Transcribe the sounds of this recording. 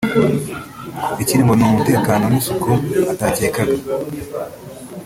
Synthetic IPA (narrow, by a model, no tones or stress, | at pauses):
iciɾimbonumumute̞ːkaːno̞nisukuataːceːkaɡa